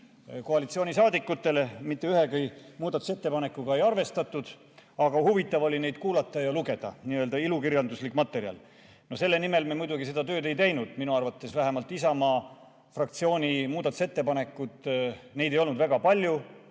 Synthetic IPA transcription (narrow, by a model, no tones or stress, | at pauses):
ko̞ɑlit̪sio̞ːnʲisɑːd̪ikːˑut̪ːe̞lemit̪ːe̞yɦe̞kɯjmuːd̪ɑt̪ːˑu̥se̞t̪ːe̞pɑne̞kːˑuɡ̥ɑe̞jɑrve̞st̪ɑt̪ːˑud̪̥ | ɑɡ̥ɑhuvit̪ːˑɑvo̞lʲine̞jd̪̥kuːlɑt̪ːˑɑjɑluɡe̞d̪̥ɑ̰niøld̪ɑilukiɾjɑnd̪uslikːˑmɑt̪ːˑe̞ɾjɑ̰l | nose̞lːe̞nime̞lmemujd̪uɡise̞d̪ɑt̪ø̞ːd̪e̞jt̪e̞jnud̪̥minuɑrvɑt̪ːˑe̞svæɦemɑlt̪ˑːisɑmɑː | frɑkt̪sio̞ːnʲimuːd̪ɑt̪ːuse̞t̪ːepɑne̞kːˑud̪ne̞jd̪e̞jo̞lnud̪væɡ̥ɑpɑlʲju